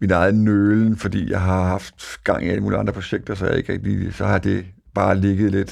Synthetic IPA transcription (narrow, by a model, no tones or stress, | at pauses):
minɑ̈ɪð̩ˠn̩nøːln̩fɒ̽d̥ḭːjɑ̈ɪɦɑ̈ɦɑ̈fd̥ɡ̥ɑ̈ŋ̰ʔiæləmuːliɑ̈nd̥ʁɐpʰo̝ɕeɡ̥d̥ɐsɒæ̰ɐ̰e̝ɡ̥ʁɛɡ̥̚d̥isɒ̽hɑ̈d̥e̝ | b̥ɑ̈ːle̝ɡ̥əð̩ˠled̥